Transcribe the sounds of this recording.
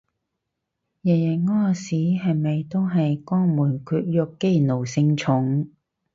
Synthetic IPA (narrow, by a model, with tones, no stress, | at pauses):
jɛ˨˩jɐ˨˩ŋɔː˥˩siː˨˥ɦɐ˨˧jmɐ˨jt̪o˥wɦɐ˨jkɔː˥ŋmuː˨˩nkʰyː˧t̚jɔ˨˧kːe˥jno˨˩wsɪ˧ŋt͡ʃʰʊ˨˥ŋ